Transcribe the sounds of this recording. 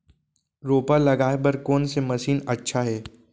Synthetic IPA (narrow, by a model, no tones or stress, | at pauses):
ɾoːpalɐɡaːebɐɾkoːnsemɐʃiːnɐtːʃʰaɦɛː